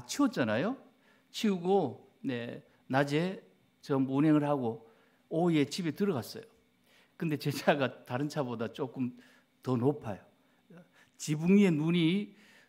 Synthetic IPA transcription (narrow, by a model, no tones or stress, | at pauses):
at͡ɕʰiʌt̚t͡ɕ͈anajo | t͡ɕʰiuɡo | ne | nad͡ʑe | t͡ɕʌmbuneŋɯɭhaɡo | oiet͡ɕʰibetɯɾʌɣas͈ʌjo | kɯnde̞t͡ɕet͡ɕʰaɡataɾɯnt͡ɕʰabodat͡ɕ͈ok͈ɯm | tʌnopʰajo | t͡ɕibuŋenuɲi